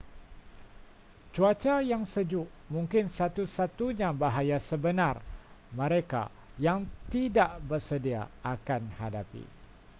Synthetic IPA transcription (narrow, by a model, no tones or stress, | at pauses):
t͡ʃuat͡ʃajaŋsəd͡ʒʊʔ | mũŋkɪnsat̪usat̪uɲãbaɦajasəbənãrmə̃ɾeka̰ | jaŋt̪idaʔbərsədia̰ʔakanhadapḭ